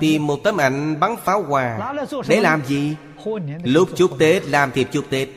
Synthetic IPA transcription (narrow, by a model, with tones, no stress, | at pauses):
t̪i˨˩mːo˨˩t̚t̪ə˨˦mʔa˧˩˦jŋ̟ɓa˨˦ŋfaː˨˦wɣwaː˨˩ɗe˨˩˦laː˨˩mzi˨˩ | lʊ˦˥p̚t͡ɕu˦˥k̚t̪e˦˥t̚laː˨˩mt̪ʰi˨˩t͡ɕʊ˦˥k̚t̪e˦˥t̚